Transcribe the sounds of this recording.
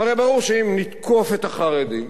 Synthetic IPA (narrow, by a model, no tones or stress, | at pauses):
aʁebaʁuʁʃeimnit̪kʰo̞fet̪aχaʁed̪i